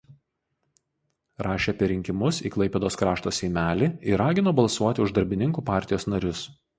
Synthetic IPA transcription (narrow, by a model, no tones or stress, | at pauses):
ɾɑːʃʲeɐpʲɛɾʲɪŋʲkʲɪmʊsḭːklˠɐɪpʲɛd̪oːskɾɑːʃt̪oːsʲɛɪmʲæːlʲiːɪɾɑːɡʲɪnoːbɐlˠsuɔt̪ʲɪʊʒd̪ɐɾʲbʲɪnʲɪŋkuːpɑˑɾʲt̪ʲɪjoːsnɐɾʲʊs